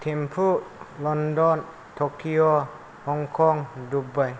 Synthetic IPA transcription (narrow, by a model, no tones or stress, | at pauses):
t̪ʰempʰuːt̪̚lɔndɔn | t̪ʰokʰːio | hɔŋkʰɔŋdubaj